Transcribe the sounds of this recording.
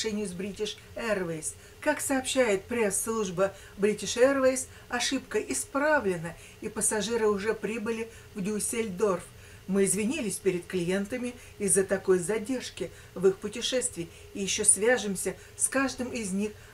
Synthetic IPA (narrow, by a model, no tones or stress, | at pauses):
ʂɛnʲɪjʊzbɾʲitʲɪʂ | ɛrvejs | kaksɐːpɕːæjɪt̪̚pɾʲe̞sːlˠuʐbə | bɾʲitʲɪʂɛrvʲejs | ɐʂɨpkəʔɪspɾavlʲɪnə | ipəsɐʐɨɾɨʊʐɛpɾʲibɨlʲɪ | vdʲʊsʲelʲd̪o̞rf | mɨɪzvʲɪnʲilʲɪsʲpʲɪɾʲɪt̪klʲɪje̞nt̪əmʲɪ | ɪzːət̪ɐko̞jzɐdʲe̞rʂkʲɪ | vɨxpʊtʲɪʂɛst̪vʲɪː | jɪɕːosvʲaʐɨmsʲə | skaʐd̪ɨmɪzʲnʲix